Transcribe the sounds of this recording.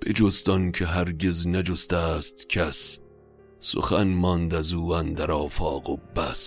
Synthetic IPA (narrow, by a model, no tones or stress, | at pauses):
b̥ḛd͡ʒost̪ɒnkʰeɦæɾɡeznæd͡ʒost̪æst̪kʰæsː | o̰xænmɒnd̪æzuːænd̪æɾɒːfɒːɡobæs